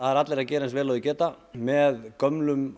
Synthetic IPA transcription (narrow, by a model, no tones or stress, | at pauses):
aðɛɾat̪lɛɾacɛːɾɛnsvɛːlɔːðʏcɛːt̪a | mɛðkœmlʏm